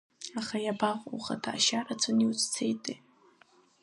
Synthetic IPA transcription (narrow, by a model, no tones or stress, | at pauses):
aχajabaχʷʼuχa̰tʰa̰ʃarat͡sʷʰoniwt͡sʼt͡sʰejtʼe